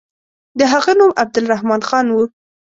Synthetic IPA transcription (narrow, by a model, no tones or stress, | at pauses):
d̪əɦaɣanumab̚d̪ʊlɾahmɑnxɑnwu